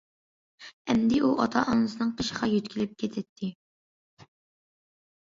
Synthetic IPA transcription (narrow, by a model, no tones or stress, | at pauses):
ɛmd̪ɪʔuʔɑt̪ʰɑʔɑnɨsɨnɨŋqʰəʃə̥ʁɑjyt̪kʲʰilɪp̚kʲʰet̪ʰɛt̪ʰːɪ